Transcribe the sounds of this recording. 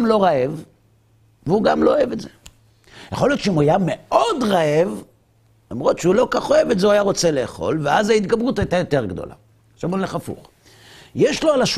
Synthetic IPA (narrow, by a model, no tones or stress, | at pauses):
mlo̞ʁae̞v | veuɡamlooeve̞tze | jaχo̞ljo̞tʃeimuajameodʁaev | lamʁo̞tʃeulo̞kaχo̞evetzeuajaʁo̞t͡sele̞ːχo̰lveazait̪ɡabʁut̪ait̪ajot̪e̞ʁɡd̪o̞̰la̰ | ʃavonleχafṵχ | jeʃlo̞alaʃ